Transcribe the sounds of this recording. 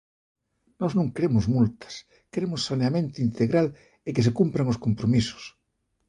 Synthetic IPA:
nɔznũŋkɾemʊzmult̪ɐ̥s | kɾemʊsːaneamẽnt̪ʊint̪eɣɾal | ɪkɪs̬ekumpɾaŋʊskompɾomisʊ̥s

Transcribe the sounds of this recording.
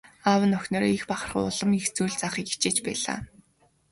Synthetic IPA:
awə̆nœxʲnɔːɾɔixpaχə̆rχʊ̰ɮə̆mixt͡suːɮt͡saχiːki̥t͡ɕeːt͡ɕpæ̰ːɮa̰ː

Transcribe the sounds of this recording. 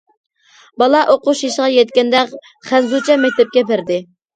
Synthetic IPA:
bɑlˠɑʔoqʊʃjiʃʁɑjɛt̪̚kʲɛnd̪ɛkʲ | χænzut͡ʃʰɛmɛk̚ʲt̪ʰɛp̚kʲɛpɪɾd̪ɪ

